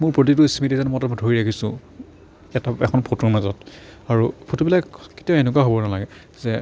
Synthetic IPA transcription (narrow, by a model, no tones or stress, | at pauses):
mʊɹpɹot̬ituisimitizanɛmɔtadʱoɹiɹakʰisʊ̃ | ɛtaɛkʰɔnpʰotɔɹmazɔtaɹupʰotubilakke̥tiaenʊk̬aɦobɔnalaɡɛ | zɛ